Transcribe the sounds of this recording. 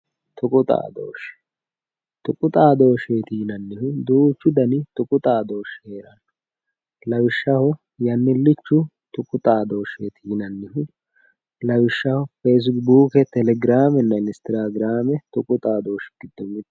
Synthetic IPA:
t̪ʰʊkʼʊt̪ʼa̰ːd̪o̰ːʃɛ̥ | t̪ʊkʼʊt̪ʼaːd̪o̞ːʃeːt̪iːnɐnːɪhʊd̪uːt͡ʃːʊd̪ɐnɪt̪ʊkʼʊt̪ʼaːd̪o̞ːʃheːɾɐnːɔ | lɐwɪʃːɐhʊ | jɐnːɪlːɪt͡ʃːʊt̪ʊkʼʊt̪ʼaːd̪o̞ːʃeːt̪ʰiːnɐnːɪhʊ | lɐwɪʃːɐhʊfeːs̬buːkɛt̪ɛlɛɡɾaːmɛnːɐnɪst̪ɪɾaːɡɪɾaːmɛt̪ʊkʼʊt̪ʼaːd̪o̞ːʃɡ̥ɪd̪ːɔmɪ

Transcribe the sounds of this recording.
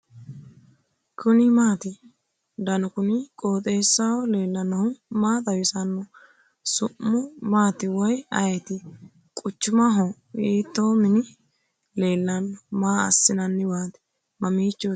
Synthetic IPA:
kʰʊnɪmaːt̪ɪ | d̪ɐnʊkʊnɪkʼo̞ːt̪ʼeːsːɐwɔle̞ːlːɐnːɐhʊmaːt̪ɐwɪsɐnːɔ | sʊʔːʊmaːt̪ɪwɔjɐ̰jɛt̪ɪ | kʼʊt͡ʃːʊmɐɦɔ | iːt̪ːoːmɪnɪ | le̞ːlːɐnɔmaːɐ̰sːɪnɐnːɪwaːt̪ɪ̥ | mɐmiːt͡ʃːo

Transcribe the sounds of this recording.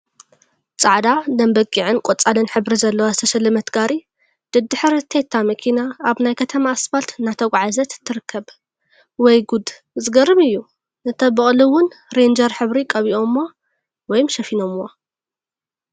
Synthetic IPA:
t͡sʼaʕd̪ad̪ɐmbɐkʼiʕɨnkʼot͡sʼalɨnħɨβɾizɐlːɐwazɨt̪ʰɐʃɐlːɐmɐt̪ɡaɾi | d̪̥ɨd̪ɨħɨɾt̪ʰet̪ʰːamɐkʰinaaβnajkʰɐt̪ʰɐmaːsfalt̪nat̪ʰɐɡʷʼʕazɐt̪t̪ʰːɨɾɨkʰːɐβ | wɔjɡud̪ | zɨɡɐɾɨmɨjːu | nɨt̪ʰɐbɨχʼliwʊnɾend͡ʒɐɾħɨβɾikʼɐβiʔo̞mːo | wɔjumʃɐfino̞mwo

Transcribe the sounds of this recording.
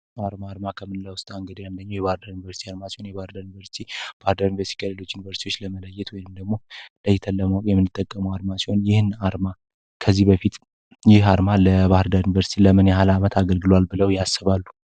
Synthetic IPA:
aɾmaːɾmakʰəmɨnlawst̪ʼaŋɡəd̪ijand̪əɲːjɛβahɾd̪əɾjunivəɾsit̪ʰiaɾmasiho̞njɛβahɨɾd̪əɾjunvəɾst̪ʰib̥ahɾd̪əɾjunivəɾst̪i̥kʰʼəlelo̞t͡ʃːjunivəɾst̪ʰiwot͡ʃːləmələjːɛt̪wɔjnɨmd̪əɡmo̞ləjt̪ʰəlːəməwkʼjɛmɨnːɨt̪ʼːəkʼːəməwaɾmasiho̞njɪhɨnaɾma | kʰəzːibəfit̪ | jɪhaɾmaləbahɨɾd̪əɾjunivəɾsit̪ʰiləmɨnjɛɦalamət̪ʰaɡəlɡɨlwalbɨləwjasːɨβalːu

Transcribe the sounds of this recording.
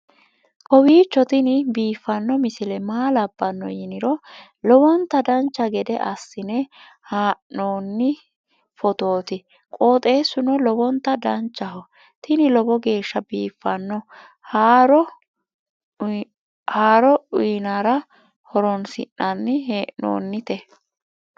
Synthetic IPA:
kɔwiːt͡ʃːɔt̪ɪnɪbiːfːɐnːɔmɪsɪlɛmaːlɐbːɐnːɔ̰jɪnɪɾɔ | lɔbɔnt̪ːɐd̪ɐnt͡ʃːɐɡɛd̪ɛʔɐsːɪnɛ | haːʔo̞ːnːɪ | fɔt̪o̞ːt̪ɪ | kʼoːt̪ʼe̞ːsːʊnɔlɔbɔnt̪ːɐd̪ɐnt͡ʃːɐhɔ | t̪ɪnɪlɔbɔɡe̞ːʃːɐbiːfːɐnːɔ | haːɾɔ | haːɾɔiːnaːɾɐ | hɔɾɔnsɪ̰ʔːɐnːɪɦeːʔno̰ːnːɪt̪ɛ

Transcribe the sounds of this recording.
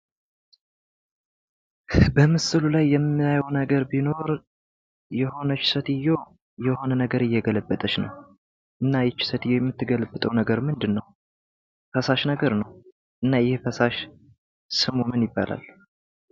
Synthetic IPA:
bəmɨsɨlulajːɛmːɨajownəɡəɾbino̞ɾ | jɛho̞nət͡ʃːɪ̥sət̪ɪjːo̞ | jɛho̞nənəɡəɾɨjːɛɡələbːət̪ʼət͡ʃnə̰w | ʔɨnːajɛt͡ʃːɪ̥sət̪ɨjːojɛmːɨt̪ːɨɡələbːɨt̪ʼəwnəɡəɾmɨnd̪ɨnːəw | fəsaʃnəɡəɾnəw | ʔɨnːajɪhfəsaʃ | sɨmomɨnjɪbːa̰lʔa̰lː

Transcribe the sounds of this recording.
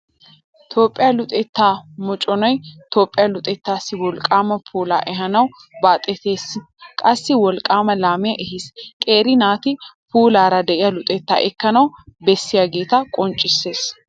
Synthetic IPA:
t̪ʰo̞ːpʼːɪjaːlʊt̪ʼɛt̪ːaːmɔt͡ʃʼɔnɔjt̪o̞ːpʼːɪjalʊt̪ʼɛt̪ːaːsːɪwɔlkʼaːmɐpʰuːla̰ːʔɛɦɐnɐw | baːt̪ʼɛt̪eːs | kʼɐsːɪwɔlkʼaːmɐlaːmɪjɐʔɛɦɪskʼeːɾɪnaːt̪ɪpuːlaːɾɐd̪ɛʔɪjɐlʊt̪ʼɛt̪ːa̰ːʔɛkːɐnɐwbɛsːɪjɐɡeːt̪ɐkʼɔnt͡ʃʼːɪsːe̞ːs

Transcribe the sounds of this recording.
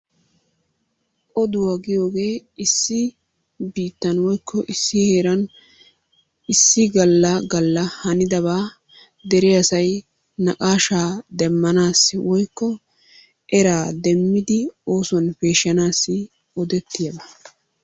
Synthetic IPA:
ʔɔd̪ʊwaɡɪjo̞ːɡe̞ːɪsːɪ | biːt̪ːɐnwɔjkʰːɔʔɪsːɪheːɾɐn | ɪsːɪɡɐlːɐɡɐlːɐhɐnɪd̪ɐβaː | d̪ɛɾɛɐsɐj | nɐkʼaːʃaːd̪ɛmːɐnaːsːɪwɔjkːɔ | ʔɛɾaːd̪ɛmːɪd̪ɪo̞ːsɔnpe̞ːʃːɐnaːsːɪ | ɔd̪ɛt̪ːɪjɐbɐ

